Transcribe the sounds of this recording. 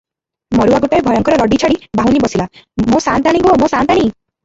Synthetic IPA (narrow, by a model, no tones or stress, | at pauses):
mɔɾuaɡuʈɔɾebʱɔjɔŋkɔɾɔɾɔɖit͡ʃʰaɽibaɦunibɔsilamõsant̪aɽ̃ĩɡomõsant̪aɽ̃i